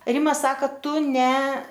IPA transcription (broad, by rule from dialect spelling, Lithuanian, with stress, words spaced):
ˈrʲɪmɐ ˈsɑːkɐ ˈtʊ nʲɛ